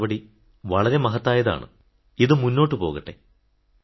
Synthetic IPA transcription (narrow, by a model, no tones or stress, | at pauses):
ʋɐɽi | ʋɐɭɐɾe̞mɐɦɐt̪ːaːjɐða̰ːɳɨ̰ | iðɨmunːo̞ːʈːɨpo̞ːɣɐʈːe̞̰